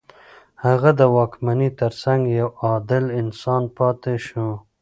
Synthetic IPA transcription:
haɣad̪əwɑːkmanit̪əɾsaŋɡjawɑːd̪ɪlɪnsɑnpɑːt̪eʃũ

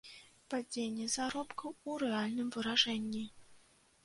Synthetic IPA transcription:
pad͡zʲenʲːɛzaɾɔpkɐwuɾɛalʲnɨmvɨɾaʐɛnʲːi

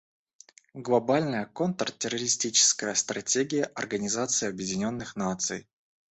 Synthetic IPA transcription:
ɡlˠɐbalʲnəjəko̞nt̪ərtʲɪrəɾʲɪsʲtʲit͡ɕɪ̥skəjəst̪rɐtʲeɡʲɪjəʔɐrɡənʲɪzat̪sɨɪɐbjɪdʲɪnʲo̞nːɨxnat̪sɨj

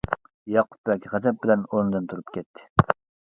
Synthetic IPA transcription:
jɑqʰʊ̥p̚bɛkʲʁɛzɛp̚bɪlɛnoɾnɨd̪ɨnt̪ʰuɾupkʲɛt̪ʰːɪ̥

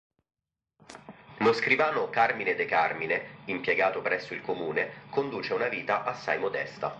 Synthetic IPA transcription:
moskɾivaːnokarmined̪ekarmineimpjeɡaːt̪opɾɛsːoilkomuːnekond̪uːt͡ʃeaunaviːt̪aʔasːa̰jmod̪ɛ̰st̪a̰

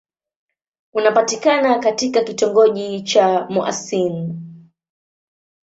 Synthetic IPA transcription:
unapatikanakatikakitɔŋɡɔʄit͡ʃamuʔa̰sin

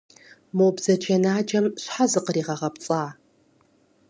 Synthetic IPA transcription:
moːbzɐt͡ʃʰʼɐnaːd͡ʒɐmɕħazɨqəriːʁɐʁɐpt͡sʼaː

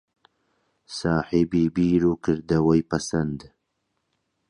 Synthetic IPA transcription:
saːħibiːbiːɾuːkʰɨɾd̪ɐwɐjpɐsɐnd̪

